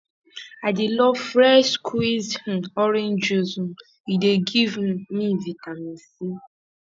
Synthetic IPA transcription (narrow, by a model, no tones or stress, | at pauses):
adɪlɔfɾɛʃkʰwizh̩ɔɾẽnd͡ʒozũ | ideɡivmivitamĩnsi